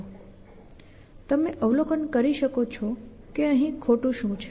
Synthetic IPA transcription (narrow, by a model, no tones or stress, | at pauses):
t̪əmeʔəʋlokənkəɾiʃəkot͡ʃʰɔ | keəɦĩkʰoʈũʃũt͡ʃʰe